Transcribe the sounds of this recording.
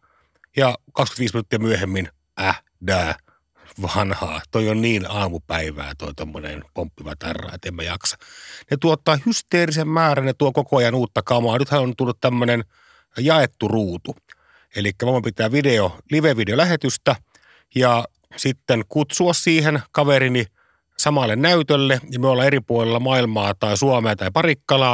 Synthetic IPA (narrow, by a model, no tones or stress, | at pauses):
jɑkɑksky̥nt̪ʋiːsminut̪ːijɑmyøhemːin | ʔæ | dæː | ʋɑnhɑ̰ːt̪oionniːnɑːmupæiʋæ̰ːt̪o̰it̪omːonḛnpompːiʋɑ̰t̪ɑ̰rːɑ̰ˑːḛt̪emːæjɑ̰ksɑ̥net̪uot̪ːˑɑːhyst̪eːrisemmæːrænet̪uokokoɑjɑnuːt̪ːɑkɑmɑːnyt̪hænont̪ulːut̪t̪æmːønen | jɑet̪ːuruːt̪u | elikːæʋɑɑmpit̪ˑæːʋideoliʋeʋideolæhet̪yst̪æ | jɑ | sit̪ːenkut̪suɑssiːhenkɑʋerini | sɑmɑlːennæyt̪ølːejɑmøolːɑːeripuolelːɑmɑilmɑːt̪ɑˑisuɑmeɑt̪ɑipɑrikːɑlɑː